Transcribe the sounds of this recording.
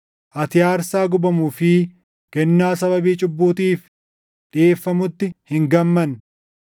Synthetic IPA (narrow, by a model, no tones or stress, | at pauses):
ʔɐt̪ɪjaːɾsaːɡʊbɐmuːfɪ | kɛnːaːsɐbɐbiːt͡ʃʼʊbːuːt̪iːf | ᶑɪʔeːfːɐmʊt̪ːɪhɪŋɡɐmːɐn